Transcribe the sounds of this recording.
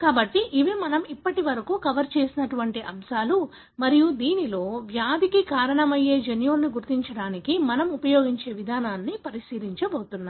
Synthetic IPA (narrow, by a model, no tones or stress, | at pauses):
kaːbɐʈːiʔiʋimɐnɐmipːɐʈiʋɐɾɐkuːkɐʋɐɾt͡ʃe̞ːsinɐʈuʋɐɳʈiʔɐmʃaːlu | mɐɾijud̪iːnilo̞ːʋjaːd̪ʱikikaːɾɐɳɐmɐje̞ːd͡ʒɐnjuːlniɡuɾt̪iɲt͡ʃɐɽaːnikimɐnɐmupɐjo̞ːɡiɲt͡ʃe̞ːʋid̪ʱaːnaːnːipɐɾiʃiːɾiɲt͡ʃɐboːt̪unːaː